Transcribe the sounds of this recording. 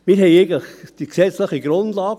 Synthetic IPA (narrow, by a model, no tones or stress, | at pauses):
mɪːɾɦɛɪeɪɡn̩ləχd̥iksɛt͡sləχiɡɾʊndlɑːɡ